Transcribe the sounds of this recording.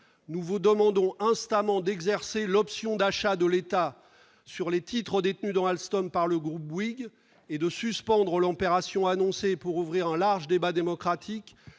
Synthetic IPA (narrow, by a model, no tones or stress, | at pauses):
nuvud̪əmɑ̃d̪ɔ̃ʔɛ̃st̪amɑ̃d̪ɛɡzɛʁselɔpsjɔ̃d̪aʃad̪əlet̪a | syʁlet̪ʰit̪χəd̪et̪nyd̪ɑ̃alst̪ɔmpaʁləɡʁup̚wiɡ | ed̪əsyspɑ̃d̪ʁəlɑ̃peʁasjɔ̃anɔ̃sepuʁuvʁiʁɛ̃laʁʒəd̪ebad̪emɔkχat̪ʰik